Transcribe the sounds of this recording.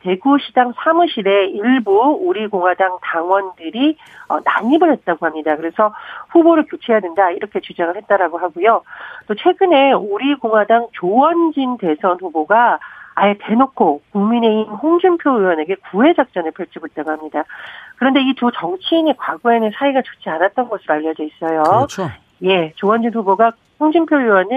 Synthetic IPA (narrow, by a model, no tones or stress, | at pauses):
te̞ɡuɕʰidaŋsʰamuɕʰiɾe̞iɭbuːɾiɡoŋɦwadaŋtaŋwʌndɯɾi | ʌ̰na̰ɲimɯɭɦe̞t̚t͈aɡohamɲidakɯɾe̞sʰʌɸuboɾɯɭkjot͡ɕʰejadwendaiɾʌkʰe̞t͡ɕud͡ʑaŋɯɭhet̚t͈aɾaɡoɦaɡujot͈ot͡ɕʰwe̞ɡɯne̞uɾikoŋwadaŋt͡ɕowʌnd͡ʑinde̞sʰʌnɸuboɡaːete̞nokʰokuŋmine̞imɸoŋd͡ʑumpʰjojuwʌne̞ɡe̞kue̞d͡ʑak̚t͡ɕ͈ʌnɯɭpʰjʌɭt͡ɕ͈ʰiɡot͈̚aɡoɦamɲidakɯɾʌnde̞itut͡ɕʌŋt͡ɕʰiːne̞kwaɡoe̞nɯnsʰaiɡat͡ɕʌ̥t͡ɕ͈ʰianat̚t͈ʌnɡʌsʰɯɾoaʎːʌd͡ʑʌis͈ʌjo | je̞t͡ɕowʌnd͡ʑinɸuboɡa | hoŋd͡ʑumpʰjojuwʌni